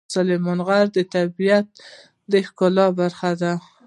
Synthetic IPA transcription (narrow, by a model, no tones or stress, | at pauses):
salemɑnɣaɾd̪ət̪abijat̪̚ | d̪əhkolɑbaɾxad̪a